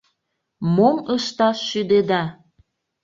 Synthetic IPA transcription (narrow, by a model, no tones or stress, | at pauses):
moməʃt̪ɑʃːyd̪ed̪ɑ